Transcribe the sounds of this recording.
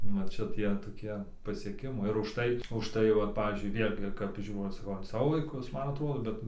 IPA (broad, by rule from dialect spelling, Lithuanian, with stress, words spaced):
nʊ ˈt͡ʃʲɛ ˈtʲiɛ toːˈkʲiɛ pɐsʲiɛˈkʲɪmɐɪ ɪr ʊʃˈtɐɪ ʊʃˈtɐɪ ˈʋɐt ˈpɑːʋʲiːzʲd͡ʒʲʊɪ ˈʋʲeːlʲɡʲɪ kɐp ˈʒʲuːrɐʊ sɐˈkɐʊ ɐn ˈsɑːʋoː ʋɐɪˈkʊs ˈmɐn ɐˈtroːdoː ˈbʲɛt